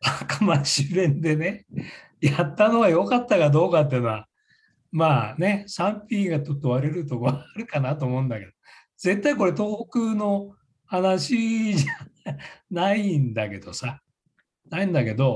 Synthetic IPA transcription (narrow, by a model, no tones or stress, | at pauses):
akamaɕibẽ̞nd̪e̞ne̞ | jat̪ːano̞βajo̞kat̪ːakad̪o̞ːkat̪̬ːe̟no̞a | maːne̞sãmpʲiːɡatot̪ːoβaɾe̞ɾɯ̟t̪o̞koaːɾɯ̟kanat̪o̞ːmoɯ̟̃nd̪ake̞d̪o̞ | ze̞t̪ːaiko̞ɾe̞t̪o̞ːkɯːno̞ | hanaɕiʑa | naind̪ake̞d̪̥o̞sa | naĩnd̪ake̞d̪o̞